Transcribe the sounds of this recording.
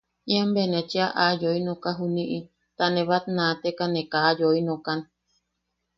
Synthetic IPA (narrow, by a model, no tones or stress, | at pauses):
ĩambenẽt͡ʃiaʔajoinõkaɦunĩʔi | t̪anẽβat̪̚nãːt̪ekanẽkaːjoinõkan